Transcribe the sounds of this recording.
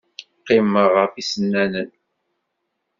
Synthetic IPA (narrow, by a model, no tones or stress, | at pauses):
qːɪmːəʁəfisənːænən